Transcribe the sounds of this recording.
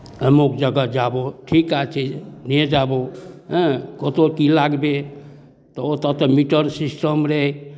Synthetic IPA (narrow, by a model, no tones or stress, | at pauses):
əmokd͡ʒəɡəd͡ʒaboʈʰikat͡ʃʰɛned͡ʒabõ | kot̪okilaɡbe | t̪ɔot̪ɔt̪ɔmiʈəɾsisʈəmɾeɦe